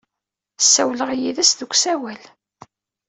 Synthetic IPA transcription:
sːæwləʁjiðæsðukʷːsæwæl

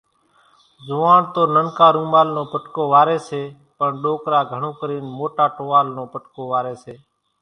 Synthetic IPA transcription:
zʊʋaːɳt̪oːnənkaːɾũːmaːlnõːpəʈkoːʋaːɾeːseː | pəɳɗoːkɾaːɡʱəɳõːkəɾiːnmoːʈaːʈoːʋaːlnõːpəʈkoːʋaːɾeːseː

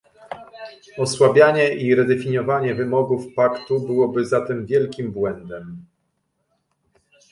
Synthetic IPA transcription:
ɔswabʲjaɲɛʔiɾɛd̪ɛfʲiɲɔvaɲɛvɘmɔɡufpakt̪ubɘwɔbɘzat̪ɛmvʲjɛlkʲimbwɛnd̪ɛm

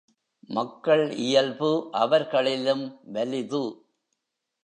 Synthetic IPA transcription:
mɐkːɐɭɪjɐlbɯʔɐʋɐɾɣɐɭɪlɯmʋɛlɪðɯ

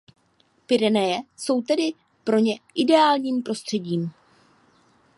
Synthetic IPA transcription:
pɪɾɛnɛjɛso̞wt̪ɛdɪ | pɾo̞ɲɛʔɪdɛaːlɲiːmpɾo̞st̪r̥ɛɟiːm

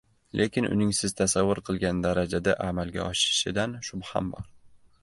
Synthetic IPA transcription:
lʔe̞kʲʰɪnʊ̰nɪŋsɪz̥t̪ʰasavːʊɾqʰɨlˠɡʲand̪aɾad͡ʒad̪aʔamalɡʲa̰ɒʃɪɾɪʃɪd̪anʃʊbha̰mbɒɾ

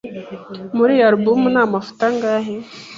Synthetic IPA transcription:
muɾijaɾbumunaːmafu̥taŋɡaːɦe

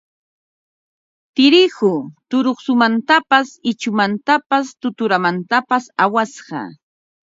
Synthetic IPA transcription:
t̪ɪɾɪhʊt̪ʊɾoχsʊmant̪apasɪt͡ʃʊmant̪apast̪ʊt̪ʊɾamant̪apasawasɢɑ̰

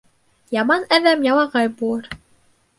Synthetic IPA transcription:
jɑmɑnæðæmjɑlˠɑʁɑjbulˠɤɾ

